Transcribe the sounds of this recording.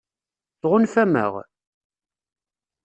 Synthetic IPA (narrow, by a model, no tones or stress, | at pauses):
θʁʊnfæmə̰ʁ